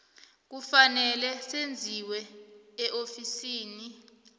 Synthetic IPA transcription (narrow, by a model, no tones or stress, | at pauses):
k̬ufanɛlɛsend͡zʱiwɛːʔofisiːni